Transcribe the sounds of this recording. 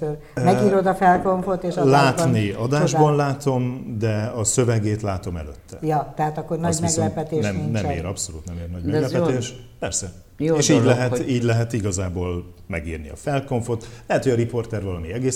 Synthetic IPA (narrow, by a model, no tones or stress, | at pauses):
ør | mɛɡiːɾod̪ɒfɛlkoɱfot̪eːʃɒlaːt̪niɒd̪aːʒbɒnlaːt̪o̞md̪ɛɒsø̞vɛɡeːt̪laːt̪o̞mɛ̰lø̰t̪ʰːɛ̰jɒt̪ɛɦat̪ɒkːornɒɟmɛɡlɛpɛt̪eːʃnɛmnmḛːɾɒpsoluːt̪nɛmeːrnɒɟmmɛɡlɛɛt̪eːʃpɛrsɛ | jeːʃiːɟlɛɦɛiːɟlɛɦɛt̪iɡɒzaːboːl | mɛɡḭːrnḭɒ̰fɛlko̞ɱfo̞t̪lɛɦɛt̪hoɟɒɾipo̞rt̪ɛrvɒlɒmiɛɡeːs